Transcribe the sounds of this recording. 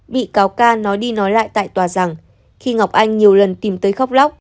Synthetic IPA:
ɓḭ˧˨kaː˨˦wkaː˧nɔ˨˦jɗi˧nɔ˨˦jla̰ː˧˨jt̪a̰ː˧˨jt̪waː˨˩za˨˩ŋ | xi˧ŋa˨˩wk͡p̚ʔa˧jŋ̟ɲi˨˩əwlə˨˩nt̪i˨˩mt̪əː˨˦jxa˦˥wk͡p̚la˦˥wk͡p̚

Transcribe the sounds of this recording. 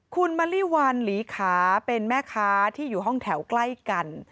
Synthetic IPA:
kʰu˧nma˧˥liː˥˩wa˧nliː˩˦kʰaː˩˦pe˧nmɛː˥˩kʰaː˦˥t̪ʰiː˥˩juː˨˩ɦɔ˥˩ŋt̪ʰɛ˩˦wkla˥˩jka˧n

